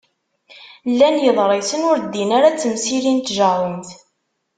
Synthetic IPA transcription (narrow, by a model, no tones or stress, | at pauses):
lːænjəðˤɾˤesənʊɾd̪ːinəɾat͡sːəmsilint̪ʒəˤəmθ